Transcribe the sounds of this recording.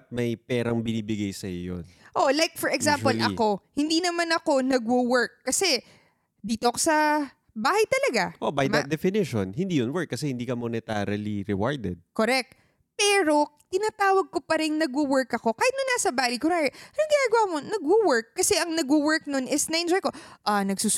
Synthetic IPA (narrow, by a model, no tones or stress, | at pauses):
ɐt̪̚mɐjpɛːɾɐŋbɪniːbɪɡajsɐjo̰jo̰nʔo̞lajk̚fɔɹɛɡsãmpolʔɐko̞hɪnd̪iːnɐmanɐko̞nɐɡwowɛɹkːɐsɛ | d̪iːt̪oʔɐkosɐ | baːhɐjt̪ɐlɐɡaʔobɐjmɐd̪ɛfɪnɪʃo̰nhɪnd̪iːjonwɛɹkːɐsɛhɪnd̪iːkɐmonɪt̪aɾɐliɾɛ̰wa̰ɹd̪ɛd̪̚koɾɛk̚t̪̚ | pɛːɾo̞t̪ɪnaːt̪aːwɐɡ̚kopɐɾɪŋnɐɡwʊwɛɹkɐko̞kaːhɪt̪̚nɐnːaːsɐbaːlikʊɾaɐnɐŋɡɪnaːɡɐwaːmonɐɡwowɛɹkːɐsɛʔɐŋnɐɡwʊwɛɹk̚nonʔɪsnɐʔɪnd͡ʒojko̞ʔɐnɐɡsu